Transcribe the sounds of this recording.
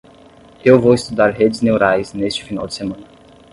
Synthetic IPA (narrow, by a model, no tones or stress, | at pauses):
ewvowɪst̪ud̪aɾɦed͡ʒɪznewɾajznest͡ʃɪ̥fina̰wd͡ʒɪ̥semɐ̃nɐ